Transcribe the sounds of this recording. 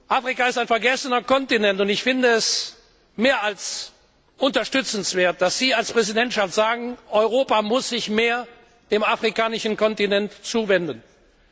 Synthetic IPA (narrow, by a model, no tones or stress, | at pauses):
ʔaːfʁ̥ikaɪstaɪnfɛɐɡɛsənɐkɔntinɛntʊntɪçfɪndəɛs | meːɐals | ʔʊntɐʃtʏt͡sn̩sv̥eːɐt̚d̥asz̥iːalspʁ̥ɛzidɛntʃaftz̥aːɡŋ̩ʔɔʏʁoːpamʊsz̥ɪçmeːɐ | d̥eːmafʁ̥ikaːnɪʃn̩kɔntinɛntt͡suːvɛndən